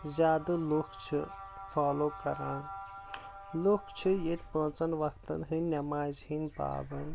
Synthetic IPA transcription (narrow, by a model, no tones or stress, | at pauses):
zʲaːd̪ɨlukt͡ʃʰɨ | faːloːkɐɾaːn | lukt͡ʃʰɨjet̪̚ʲpoːt͡sɐnʋɐkt̪ɐ̰nɦɨnʲɐmaːzhinpa̰ːbɐnd̪